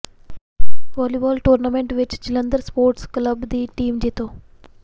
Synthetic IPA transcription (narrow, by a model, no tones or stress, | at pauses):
ʋɔːliʋɔːlʈuːɾnameɳʈʋɪt͡ʃd͡ʑɪlənd̪əɾspoːɾʈskləbd̪iːʈiːmd͡ʑit̪oː